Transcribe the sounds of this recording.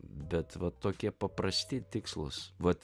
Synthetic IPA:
bʲɛt̪ʋɐt̪oːkʲiɛpɐpɾɐsʲt̪ʲɪt̪ʲɪkslˠʊ̰sʋɐt̪

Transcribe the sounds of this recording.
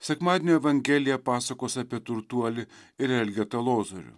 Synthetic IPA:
sʲɛkmɑːd̪ʲenʲoɛʋɐŋʲɡʲɛlʲɪjɛpɑːsɐkoːsʲɑpʲiɛt̪ʊɾt̪uɔlʲɪɪɾɛlʲɡʲɛt̪ɐlˠoːzoɾʲʊ̰

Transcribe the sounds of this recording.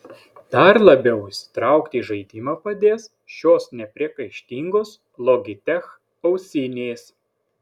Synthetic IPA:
d̪̥ɐɾlˠɐbʲɛʊʃʲsʲɪ̥t̪ɾɑˑʊkt̪ʲiːʒɐɪd̪ʲɪmɐpɐd̪ʲeːs | ʃʲoːsnʲɛpʲɾʲiɛkɐɪʃʲt̪ʲiːŋɡoːs | lˠoːɡʲɪt̪ʲɛx | ɒʊsʲɪnʲeːs

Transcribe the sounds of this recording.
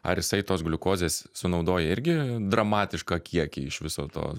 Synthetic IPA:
ɐ̰ɾjɪsɐɪt̪oːsɡlʲʊkoːzʲeːssʊnɒʊd̪oːjɛɪɾʲɡʲɪd̪ɾɐmɑːt̪ʲɪʃkɑkʲʰiɛkʲiɪʃʋʲɪsoːt̪o̰ː

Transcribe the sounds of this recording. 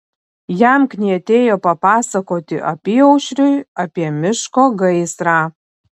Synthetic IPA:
jæmknʲiɐt̪ʲeːjoːpɐpɑːsɐkoːt̪ʲɪʔɐpʲiːɔʊʃʲɾʲʊɪɐpʲiɛmʲɪʃkoːɡɐɪsɾɑː

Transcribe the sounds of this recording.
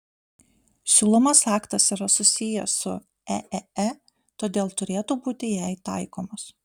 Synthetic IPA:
sʲuːlˠomɐsɑːkt̪ɐsiːˑɾɐsʊsʲɪjɛsʊ | ɛʔɛɛ | t̪oːd̪ʲeːlˠt̪ʊɾʲeːt̪uːbuːt̪ʲɪjɛɪt̪ɐˑɪkoːmɐs

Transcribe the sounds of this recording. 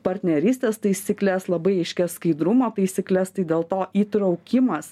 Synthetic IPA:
pɐɾʲt̪ʲnʲɛɾʲiːsʲt̪ʲeːst̪ɐɪsʲiːklʲɛslˠɐbɐɪɐɪʃʲkʲɛsskɐɪd̪ɾʊmoːt̪ɐɪsʲiːklʲɛst̪ɐɪd̪ʲeːlˠt̪oːʔiːt̪ɾɒʊkʲɪmɐs

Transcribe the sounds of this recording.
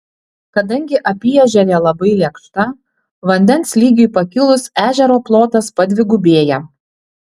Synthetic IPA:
kɐd̪ɐŋʲɡʲɪʔɐpʲijɛʒʲɛɾʲeːlˠɐbɐɪlʲɛkʃt̪ɐ | ʋɐnʲd̪ʲɛnslʲiːɡʲɪɪpɐkʲɪlˠʊsæːʒʲɛɾoːplˠoːt̪ɐspɐd̪ʲʋʲɪɡʊbʲeːjɛ

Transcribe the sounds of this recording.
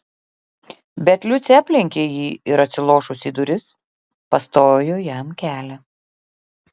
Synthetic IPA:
bʲɛt̪lʲʊt̪sʲæːpʲlʲɪŋʲkʲeːjiːɪɾɐt̪ʲsʲɪlˠoːʃʊsʲiːd̪ʊɾʲɪs | pɐst̪oːjoːjɛmkʲæːlʲɛ

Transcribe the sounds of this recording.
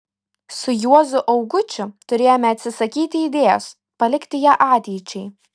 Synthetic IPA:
sʊjuɔzʊʔɐʊɡʊt͡ʃʲʊt̪ʊɾʲeːjoːmʲɛɐt̪ʲsʲɪsɐkʲiːt̪ʲɪːd̪ʲeːjo̰s | pɐlʲɪkt̪ʲɪjæːʔɑːt̪ʲɛɪt͡ʃʲɛɪ

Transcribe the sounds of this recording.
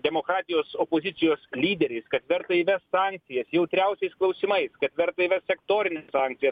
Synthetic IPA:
d̪ʲɛmoːkɾɑːt̪ʲɪjoːsoːpoːzʲɪtsʲɪjoːslʲiːd̪ʲɛɾʲɛɪskɐt̪ʋʲɛɾt̪ɐiʋʲɛssɑːŋk̚t̪sʲɪjɛsjɛʊt̪ʲɾʲɛʊsʲɛɪsklˠɐʊsʲimɐɪskɐt̪ʲʋʲɛɾt̪ɐiʋʲɛssʲɛkt̪oːɾʲɪnʲɛssɑːŋkt̪sʲɪjɛs

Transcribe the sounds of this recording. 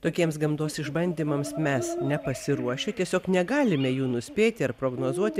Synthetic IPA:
t̪oːkʲiɛmsɡɐmd̪oːsɪʒbɐnʲd̪ʲiːmɐmsmʲɛsnʲɛpɐsʲɪɾuɔʃʲɛt̪ʲiɛsʲoːknʲɛɡɑːlʲɪmʲɛjuːnʊsʲpʲeːt̪ʲɪɐrpɾoːɡnoːzuɔt̪ʲɪ

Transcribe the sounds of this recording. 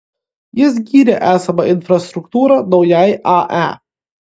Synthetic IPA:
jɪs̬ɡʲiːɾʲɛʔæːsɐbɐʔɪnfɾɐst̪ɾʊkt̪uːɾɐd̪ɔwjaːjʔɑʔæ̰ː

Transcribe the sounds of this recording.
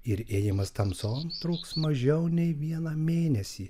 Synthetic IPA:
ɪɾeːjɪmɐst̪ɐmsoːnt̪ɾuːksmɐʒʲɛʊnʲɛɪʋʲiɛnɐːmʲeːnʲɛsʲiː

